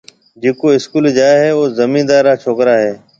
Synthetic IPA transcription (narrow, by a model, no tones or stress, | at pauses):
d͡ʒeːkoːɪskuːld͡ʒaːeɦeːoːzəmĩːd̪aːɾːaːt͡ʃʰoːkɾaːɦeː